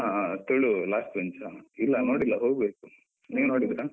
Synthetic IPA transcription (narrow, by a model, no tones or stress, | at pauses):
at̪eɭulaːsʈʋeɲt͡ʃailːɐnoːɽilːɐɦoːɡbeːku̥ | niːʋunoːɽid̪iɾaː